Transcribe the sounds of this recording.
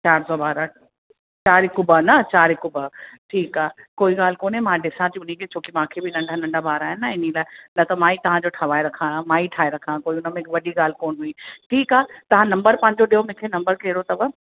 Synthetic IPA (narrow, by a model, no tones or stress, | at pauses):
t͡ɕaːɾsɔbaːɾa | t͡ɕaːɾɪkʊbənɐt͡ɕaːɾɪkʊbəʈʰiːkaːkoːiɡaːl̤koːnemãːɖɪsãt̪iʊnĩkʰet͡ɕʰoːkimãːkʰebɪnɐ̃ɳɖʱanɐ̃ɳɖʱabʱaːɾaːɦɪnːɐɪnilaːɪnɐt̪ɐmãːit̪ɐʋ̤ãd͡ʑoʈʰɐʋaːeɾɐkʰãmãːiʈʰaːeɾɐkʰãkoːiʊnəmẽkʋɐɗiɠaːl̤koːnɦuĩʈʰiːkaːt̪ɐʋ̤ãnɐ̃mbəɾpɐ̃ɦɪɲd͡ʑoɗiɦomɪ̃kʰenɐ̃mbəɾkeɦɪɾot̪ɐbə